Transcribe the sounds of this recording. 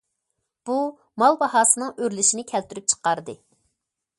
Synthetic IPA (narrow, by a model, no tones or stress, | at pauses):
b̥u | mɑlˠbɑhɑːsɨnɨŋøɾlɪʃinɪkʲʰɛlt̪yɾyp̚t͡ʃʰə̥qɑɾd̪ɨ